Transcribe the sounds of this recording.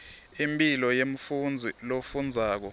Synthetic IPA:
impʼilɔjem̩fund͡zʱilofund͡zʱaːk̬ɔ

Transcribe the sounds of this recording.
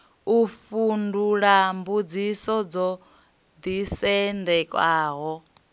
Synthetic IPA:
ufunduɺambud͡zisɔd͡zɔ | d̪isɛndɛkʼwaːɦɔ

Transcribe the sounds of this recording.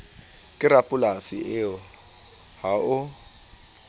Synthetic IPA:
kʼɪɾapʼʊlasɪɪʊ | haʊ

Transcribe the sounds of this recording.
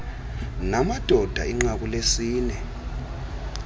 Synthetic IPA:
namad̥ʱɔd̥ʱa̰iŋ͡ǁak̬ʼulesiːnɛ

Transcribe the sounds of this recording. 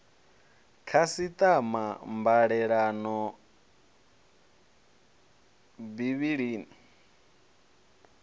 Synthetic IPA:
kʰasit̪ʼamambaɺɛɺanɔ | biβiɺiːni

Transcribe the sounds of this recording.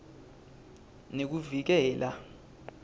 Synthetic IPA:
nek̬uvik̬ɛːlʔa̰

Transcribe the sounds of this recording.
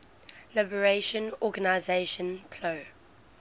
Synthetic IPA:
lɪbəɹeʃə̃nɔɡanaɪzeʃə̃npʰlo

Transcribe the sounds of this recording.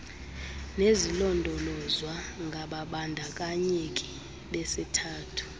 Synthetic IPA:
nezilɔndʱɔlɔzwaŋɡʱaɓaɓandʱak̬ʼaɲekʼi̥ | ɓɛsɛtʰaːtʰu̥

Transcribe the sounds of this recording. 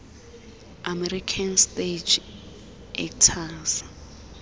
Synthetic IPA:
amɛɾikʰansted͡ʒ | ʔɛ̰ktʰas

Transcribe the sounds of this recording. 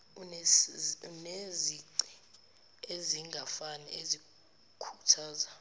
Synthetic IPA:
n | neziǀi̥ | eziŋɡʱafanɛʔezi | kʰu̥tʰaːza

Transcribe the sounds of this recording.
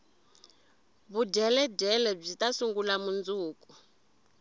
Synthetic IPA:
βuɟɛlɛdɛlɛb͡ʐitasuŋɡulamund͡zuːku

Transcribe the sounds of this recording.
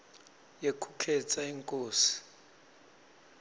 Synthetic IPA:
jekʰukʰɛt͡sʼaiŋkʼoːsi̥

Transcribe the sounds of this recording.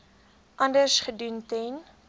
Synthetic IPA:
ʔɐndərsχəduntɛn

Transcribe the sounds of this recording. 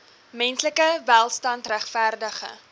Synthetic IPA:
mɛnsləkəvælˠstɐntræχfærdəχə̰

